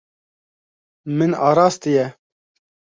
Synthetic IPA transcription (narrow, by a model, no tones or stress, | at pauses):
mɨnɑːɾɑːst̪ɨjɛ